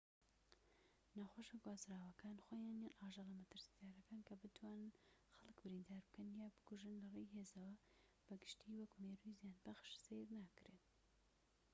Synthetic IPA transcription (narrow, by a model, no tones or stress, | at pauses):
nɐxoʃɐɡwaːzɾaːwɐkaːnxoːjaːnjanʔaːʒɨɣlɐmɐt̪ɨɾsi̥t̪aːɾɐkaːnkʰɐbɨt̪ʰwaːnɨnxɐlˠɨkbɨɾind̪aːɾbɨkɐnjaːbɨkuʒɨnlɐrejɦeːzɐwɐ | b̥ɐɡɨʃt̪iwɐkmeːɾujzijaːnbɐxʃsejɾnaːkɨɾe